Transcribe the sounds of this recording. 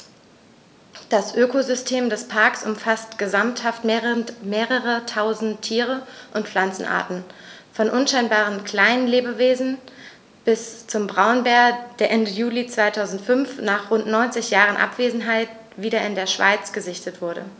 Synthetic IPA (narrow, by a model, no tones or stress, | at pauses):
d̥asʔøːkozʏstʰeːmdɛspʰaɐksʔʊmfastɡ̥əzamthaftmeʁmeːʁəʁətʰaʊzn̩tʰːiːʁəʔʊntflant͡sn̩ʔa̰ɐtn̩ | fɔnʔʊnʃaɪnbaːʁ̞ənkl̥aɪnənleːbəveːzn̩ | b̥ɪst͡sʊmbʁaʊnbɛːɐd̥eːɐʔɛndəjuːlit͡sv̥aɪtʰaʊzn̩tfʏnfnaːχʁʊntnɔʏnt͡sɪçjaːʁənʔa̰pv̥eːzn̩ɦaɪt | v̥iːɾɐɪndeːɐʃv̥a̰ɪt͡sɡ̥əzɪçtətv̥ʊɐɾə̰